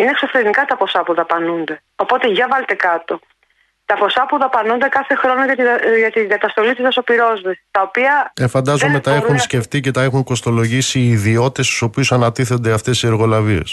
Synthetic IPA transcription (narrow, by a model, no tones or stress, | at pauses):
inekso̞fɾeinikɐt̪ɐpo̞sɐpuðɐpɐnund̪e̞ | opo̞t̪eʝɐvɐlet̪e̞kɐt̪o̞ | t̪ɐpo̞sɐpuðɐpɐnund̪ekɐθe̞xɾo̞noʝɐt̪ʝɐt̪iɡɐt̪ɐst̪o̞lit̪isɐso̞piɾo̞zvisit̪ɐopiɐefɐnd̪ɐzomet̪ɐeunsce̞ft̪ice̞t̪ɐe̞xuŋko̞st̪o̞lo̞ʝisiːðio̞t̪e̞st̪u̥so̞piusɐnɐt̪iθo̞nd̪e̞ɐft̪e̞sie̞ɾɣo̞lɐvie̞̰s